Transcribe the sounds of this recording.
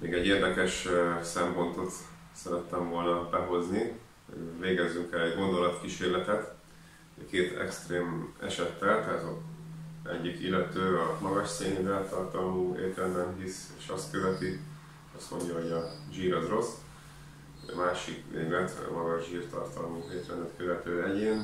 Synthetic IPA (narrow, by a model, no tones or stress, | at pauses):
meːɡɛɟːeːrd̪ɛkɛʃsɛmpo̞nt̪o̞t̪ | sɛɾɛt̪ːɛɱvo̞lnɒbɛɦo̞zni | veːɡɛzːyŋkɛlɛɟɡo̞nd̪o̞lɒt̪kiʃeːrlɛt̪ɛt̪ | keːt̪ɛ̰kst̪reːmɛ̰ʃɛt̪ːɛlt̪ɛzo | ɛ̰ɟːikilːɛt̪øːɒmɒɡɒʃseːnid̪ɛlt̪ɒrt̪ɒmuːḛːt̪ɾɛnd̪ɛmɦiseːʃɒst̪køvɛt̪i | ɒst̪mo̞̰ɲɟɒɦo̞ɟɒʒiːɾɒzro̞s | maːʃikvḛːɡlɛt̪mɒɡɒʒʒiːrt̪ɒ̰rt̪ɒmueːt̪lɛnd̪ɛt̪køvɛt̪øːɛɟeːn